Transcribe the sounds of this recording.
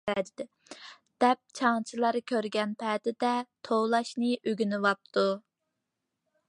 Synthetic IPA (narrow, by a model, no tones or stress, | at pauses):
ɛd̪ɪd̪ɛ | d̪̥ɛp̚t͡ʃʰɑŋt͡ʃʰilˠɑɾɨkʲʰøɾɡʲɛnpʰɛd̪ɪd̪ɛt̪ʰowlˠɑʃnɨʔøɡʲynɪvɑp̚t̪ʰu